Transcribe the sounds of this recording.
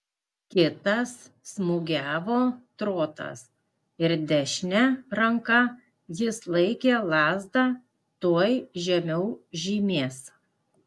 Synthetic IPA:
kʲɪt̪ɐsː | mʊɡʲæːʋoːt̪ɾoːt̪ɐ̰s | ɪɾd̪ʲɛʃʲnʲɛɾɐŋkɐ | jɪslˠɐɪkʲeːlˠɑːzd̪ɑ | t̪uɔjʒʲɛmʲɛʊʒʲiːmʲeːs

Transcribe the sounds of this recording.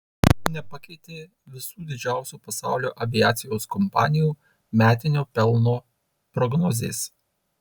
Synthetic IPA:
nʲɛpɐkʲɛɪt̪ʲeː | ʋʲɪsuːd̪ʲɪd͡ʒʲæˑʊsʲuːpɐsɑ̰ˑʊlʲoːʔɐʋʲɪjæːt̪sʲɪjoːskɔmpɑ̰ːnʲɪjuː | mʲæːt̪ʲɪnʲoːpʲɛlˠnoː | pɾɔɡnɔzʲḛːs

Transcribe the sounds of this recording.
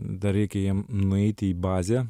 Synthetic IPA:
d̪ɐɾʲɛɪkʲɛjiɛmnʊɛɪt̪ʲɪiːbɑːzʲæː

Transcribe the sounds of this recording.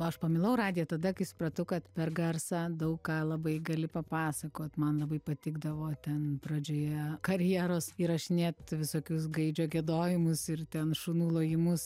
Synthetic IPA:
oːɐʃpɐmʲɪlˠɐʊɾɑːd̪ʲɪjɛt̪ɐd̪ɐkɐɪsʊ̥pɾɐt̪ɐʊkɐt̪pʲɛrɡɐrsɑːd̪ɐʊkkɑːlˠɐbɐɪɡɐlʲɪpɐpɑːsɐkoːt̪mɐnlˠɐbɐɪpɐt̪ʲɪɡd̪ɐʋoːt̪ʲɛnpɾɐd͡ʒʲoːjɛkɐɾʲjiɛɾoːsɪɾɐʃnʲɛt̪ʋʲɪsoːkʲʊs̬ɡɐɪd͡ʒʲoːɡʲɛd̪oːjɪmʊsɪrt̪ʲɛnʃuːnuːlˠoːjɪmʊs

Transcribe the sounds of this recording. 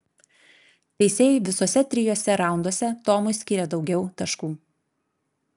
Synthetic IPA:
t̪ʲɛɪsʲeːjɛɪʋʲɪsoːsʲɛt̪ʲɾʲɪjoːsʲɛɾɑˑʊnd̪oːsʲɛt̪oːmʊsʲkʲɪɾʲɛd̪ɒʊɡʲɛʊt̪ɐʃkuː

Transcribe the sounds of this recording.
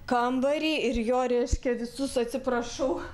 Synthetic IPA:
kɐmbɐɾʲiːɪɾjoːɾʲɛɪʃʲkʲɛʋʲɪsʊsɐt̪ʲsʲɪpɾɐʃɐʊ

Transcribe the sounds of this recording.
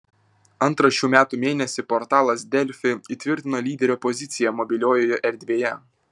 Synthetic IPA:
ɐnˑt̪ɾɐʃʲuːmʲæːt̪umʲeːnʲɛsʲɪpɔɾt̪ɑːlˠɐsd̪ʲɛlʲfʲɪit̪ʲʋʲɪɾʲt̪ʲɪnoːlʲiːd̪ʲɛɾʲoːpɔzʲɪt̪sʲɪjɛmɔbʲɪlʲoːjoːjɛʔɛɾʲd̪ʲʋʲeːjɛ

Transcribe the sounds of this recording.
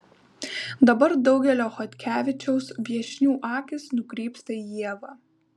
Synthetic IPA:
d̪ɐbɐɾd̪ɒʊɡʲɛlʲoːxɔt̪ʲkʲæːʋʲɪt͡ʃʲɛʊsbʲiɛʃʲnʲuːʔɑːkʲɪsnʊkɾʲiːpst̪ɐijiɛʋɑː

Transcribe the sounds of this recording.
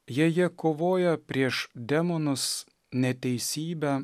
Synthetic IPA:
jiɛjiɛkoːʋoːjɛpʲɾʲiɛʃd̪ʲɛmɔnʊs | nʲɛt̪ʲɛɪsʲiːbʲæ

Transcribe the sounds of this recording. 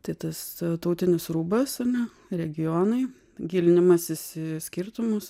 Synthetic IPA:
t̪ɐɪt̪ɐst̪ɐʊt̪ʲɪnʲɪsɾuːbɐsɐnʲɛ | ɾʲɛɡʲɪjoːnɐɪ | ɡʲiːlʲɪnʲɪmɐsɪsɪsʲkʲɪɾt̪ʊmʊs

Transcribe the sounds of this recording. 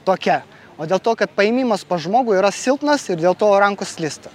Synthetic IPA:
t̪oːkʲɛ | oːd̪ʲeːlˠt̪oːkɐt̪̚pɐɪmʲiːmɐspɐʒmoːɡʊiːɾɐsʲɪlˠt̪nɐsɪɾd̪ʲeːlˠt̪oːɾɐŋkʊslʲɪst̪ɐ

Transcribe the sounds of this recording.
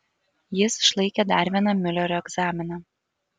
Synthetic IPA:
jɪsʃlˠɐɪkʲed̪ɑˑɾʲʋʲiɛnɑmʲɪlʲɛɾʲoːɛɡzɑːmʲɪnɑ

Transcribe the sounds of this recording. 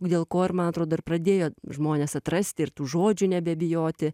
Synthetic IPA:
d̪ʲeːlˠkoːɪrmɐnɐt̪ɾoːd̪oːɪrprɐd̪ʲeːjoːʒmoːnʲeːsɐt̪ɾɐsʲt̪ʲɪɪɾt̪uːʒoːd͡ʒʲʊnʲɛbʲɛbʲɪjoːt̪ʲɪ

